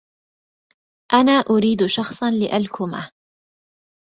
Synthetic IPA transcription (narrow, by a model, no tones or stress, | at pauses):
ʔanaːʔʊɾiːd̪ʃɑxsˤɑnlɪʔalkʊma